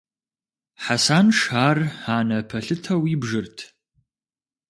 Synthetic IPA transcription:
ħasaːnʂaːraːnɐpʰɐɬɨtʰɐwiːbʐɨrtʰ

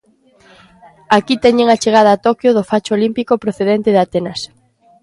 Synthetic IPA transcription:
akit̪ɛɲeŋat͡ʃeɣ̞að̞ɐːt̪ɔkjoðʊfat͡ʃoolimpikopɾoθeðɛnt̪eðat̪ɛnas

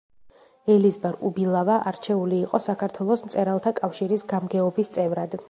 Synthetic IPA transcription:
ɛlizbaɾubilˠavaʔaɾt͡ʃʰɛuliːqʼɔsakʰaɾt̪ʰwɛlˠɔsmt̪sʼɛɾalˠt̪ʰakʼafʃiɾisɡamɡɛɔbist̪sʼɛvɾad̪

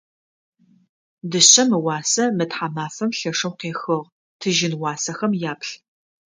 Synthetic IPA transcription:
dɨɕɐmɨwɑːsɐmɨtħamaːfɐmɬɐʂɐwqeːxɨʁ | tʰɨʒɪnwɑːsɐxɐmjaːpɬ

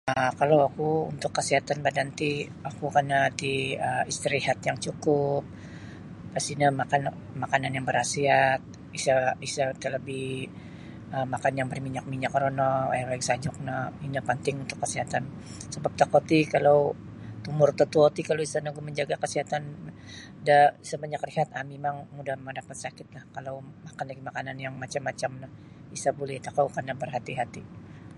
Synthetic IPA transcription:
əkalawakuṵnt̪ʊkːəsiɦat̪anbadant̪i | akukanat̪iəist̪əɾihat̪jaŋt͡ʃukʊp̚ | past̪inamakan | makananjaŋbəɾasiat̪̚ | isaisat̪ələbɪh | əmakanjaŋbərmiɲak̚miɲakɾonɔawaksad͡ʒɔk̚nainapənt̪ɪŋunt̪ʊkːəsiɦat̪an | səbap̚t̪akot̪ikalaw | t̪umʊrt̪ət̪uot̪ikalowisanaɡuməɲd͡ʒaɡakəsiɦat̪an | daisabaɲakriɦat̪̚amemaŋmudahmadapat̪̚sakɪt̪̚lahkalawmakanlaɡimakananjaŋmat͡ʃamːat͡ʃamnah | isabulɛht̪akawkarnabərɦat̪iɦat̪i

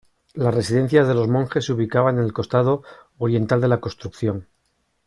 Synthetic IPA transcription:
lasre̞siðẽ̞n̟θjazðe̞lo̞zmõ̞ŋxe̞sːuβ̞ikaβ̞anenelko̞st̪aðo̞ː | ɾje̞nt̪ald̪e̞lako̞st̪ɾukθjo̞ŋ

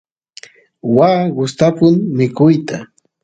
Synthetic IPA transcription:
waːɢʊst̪apʊnmɪkʊjt̪a

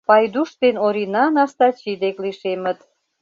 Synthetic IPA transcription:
pɑjd̪uʃt̪enoɾinɑnɑʃt̪ɑt͡ɕid̪ekliʃemə̆t̪

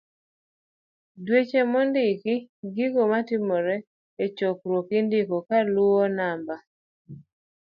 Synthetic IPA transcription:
dwet͡ʃemɔndɪkiɡiɡomatɪmɔɾɛ | et͡ʃokɾwokɪndɪkɔkaluɔnamba

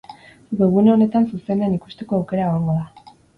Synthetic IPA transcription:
ɡeɣuneo̞ne̞t̪ansuse̞nd̪enikust̪e̞ko̞awkeɾaɣoɾŋɡoða

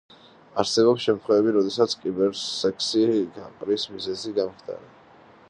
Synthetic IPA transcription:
aɾsɛbɔpsʃɛmt̪ʰχwɛvɛbiɾɔd̪ɛsat̪sʰkʼibɛɾsɛkʰsiɡaqʼɾismizɛziɡamχd̪ʰa̰ɾɛ

